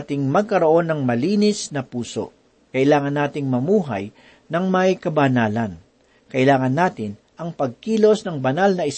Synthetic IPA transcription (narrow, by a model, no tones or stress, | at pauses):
t̪ɪŋmɐɡ̚kɐɾoʔo̞nːɐŋmɐliːnɪsnɐpuːso̞̰ʔ | kɐʔɪlaːŋɐnːaːt̪ɪŋmɐmuːɦɐ̰j | nɐŋmɐjkɐbɐnaːlɐn | kɐʔɪlaːŋɐnːaːt̪ɪn | ʔɐŋpɐɡ̚kiːlo̞snɐŋbɐnalnɐɪs